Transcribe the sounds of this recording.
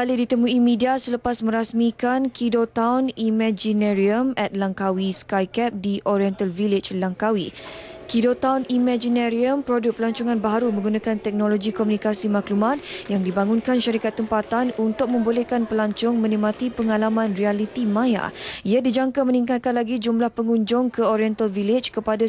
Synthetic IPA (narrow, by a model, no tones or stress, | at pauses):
alidit̪əmuimidiasələpasmə̃ɾasmikankidot̪awnimɛ̃d͡ʒinɛɾiəmɛt̪̚laŋkawiskajkɛp̚diʔoɾiɛnt̪alviled͡ʒlaŋkawikidot̪awnimɛ̃d͡ʒinɛɾiəmpɾodʊk̚pəlaɲt͡ʃɔŋãnbaɦaɾumə̃ŋɡunãkant̪ɛk̚noloɡikomunikasimaklumat̪̚jaŋdibaŋunkanʃaɾikat̪ːəmpat̪anunt̪ʊk̚mə̃mbolɛhkanpəlaɲt͡ʃɔŋmə̃nimat̪ipəŋalamãnrialit̪imãja̰iadid͡ʒaŋkamə̃niŋkat̪̚kanlaɡid͡ʒumlahpəŋuɲd͡ʒʊŋkəoɾiɛnt̪alvilɪd͡ʒkəpada